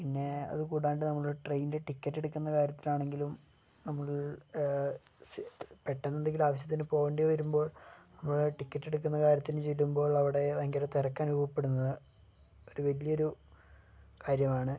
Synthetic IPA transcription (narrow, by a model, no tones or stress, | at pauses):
pinːe̞ɐ̰ðɨkuːɽaːɳɖɨnɐmːɐɭoɾuʈrejnide̞ʈikʲːɐʈːe̞ɽukːunːɐkaːɾjɐt̪ːilaːɳe̞ŋɡilum | nɐmːɐɭ | speʈːenːend̪eŋɡilaːʋɐɕ̬jɐt̪ːinɨpo̞ːɣeɳɖijʋɐɾumbo̞ːɭnɐmːɐɭʈikʲːɐʈːe̞ɽukːunːɐkaːɾjɐt̪ːinut͡ɕe̞jlumbo̞ːɭɐʋiɽe̞ʋɐŋɡɐɾɐt̪ːerɐkːaːnuuʋɐpːe̞ɽunːɐðɨ | o̞ɾuʋɐlijɐo̞ɾu | kaːɾjɐmaːɳɨ